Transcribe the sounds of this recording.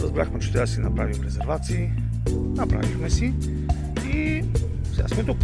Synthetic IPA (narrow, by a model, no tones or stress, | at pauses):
ɾəzbɾaxmɛt͡ʃɛ̥t̪ɾad̪sinɐpɾavimɾɛzɛɾvat̪siː | nɐpɾa̰vixmɛsi | i | sʲa̰smɛt̪uk